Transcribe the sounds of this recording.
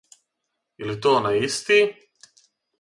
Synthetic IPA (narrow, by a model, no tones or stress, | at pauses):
ilit̪oːnaist̪i